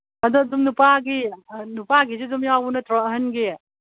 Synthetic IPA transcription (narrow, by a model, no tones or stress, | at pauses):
ɐdɔdumnupaɡinupaɡizedumjawunɐtɾɔɦənɡe